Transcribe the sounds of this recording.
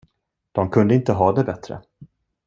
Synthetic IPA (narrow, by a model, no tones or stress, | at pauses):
d̪̥ɔmkʰɵnd̪əɪnt̪əɦɑːd̪ɛbɛt̪ɾə̰